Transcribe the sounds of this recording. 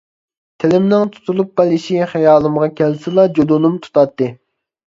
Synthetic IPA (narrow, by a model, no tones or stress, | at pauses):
t̪ʰelɪmnɪŋt̪ʰu̥t̪ʰulˠup̚bɛlɪʃiχɛjɑːlˠɨmʁɑkʲʰɛlsɪlˠɑd͡ʒod̪unumt̪ʰu̥t̪ʰɑt̪ːɨ